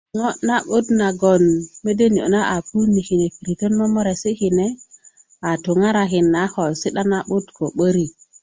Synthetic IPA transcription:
ŋo˦na˦ɓu˦tna˨ɡo˨nme˦de˦ni˨o̰˨na˦ʔa˨pu˦ni˨hi˨ne˨fi˨ɾi˨te˦nmo˦mo˦ɾe˨si˦hi˨ne˦ | a˨tu˨ŋa˦ɾa˨ɦi˨nːa˨˦ho˨lsi˦ɗa˦na˦ɓu˦tko˨ɓə˦ɾi˦

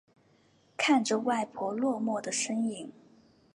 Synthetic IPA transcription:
kʰa˥˩nʈ͡ʂə˩wa˥˩ɪpʰwɔ˧˥lwɔ˥˧mwɔ˥˩d̪ə˩ʂə˥ŋi˨˩˦ŋ

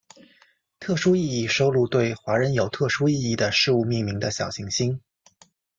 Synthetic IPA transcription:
t̪ʰɤ˥˩ʂu˥i˥˧i˥˩ʂo˥ʊlu˥˧t̪we˥˩ɪxwa˧˥ɻə˧˥njo˨˩ʊt̪ʰɤ˥˩ʂu˥i˥˧i˥˩d̪ə˩ʂɻ̩˥˧u˥˧mi˥˩ŋmi˧˥ŋd̪ə˧ɕjɑ˨˩ʊɕi˧˥ŋɕi˥ŋ

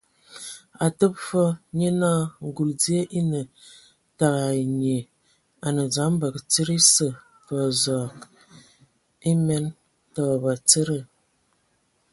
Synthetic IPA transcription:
a˨tə˦p̚fɔ˦ɲə˦na˦ŋ˨ɡu˨ld͡zi˦ə˦ʔi˦nə˨ | ta˨ɣa˨ɲe˨ | a˨nə˨d͡za˨˦m˦bə˨kt͡sə˦ɾi˦sə˨ | fə˨zɔ˨k | i˦mɛ˦n | tɔ˨ba˨t͡sə˦ɾə˦˨

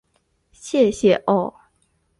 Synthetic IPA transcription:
ɕjɛ˥˩˨ɕjɛ˨˩ʔɔ˥˩

